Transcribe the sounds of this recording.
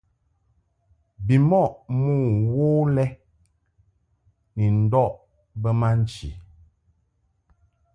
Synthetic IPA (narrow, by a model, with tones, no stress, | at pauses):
bi˨mɔ˦˨ʔmuː˦˨woː˦lɛ˦ | ni˨n̩˨dɔ˦˨ʔ | bə˦ma˦n̩˨t͡ʃḭ˨